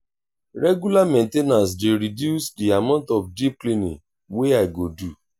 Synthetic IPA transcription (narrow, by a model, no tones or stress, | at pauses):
ɾɛɡulamẽntenãs̬deɾidjusdiamãntɔfdiplinḭ̃ŋ | weaɪɡodu